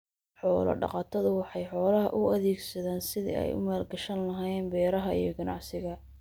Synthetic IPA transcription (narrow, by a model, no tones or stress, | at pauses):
ħɔːlɐ̰ɖɑ̰qɑt̪ʰɐðʊwɑħɑjħɔːlɐɦɐʔʊɐðɛːɡsɐðaːnsɪðḭɛ̰jʊ̰maːlɡɐʃɐnlɐɦaːɛːnbɛːɾɐɦɐḭjɞɡɐnɑʕsɪɣɐ